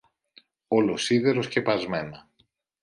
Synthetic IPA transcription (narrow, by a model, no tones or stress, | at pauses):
o̞lo̞siðe̞ɾo̞sce̞pɐzme̞nɐ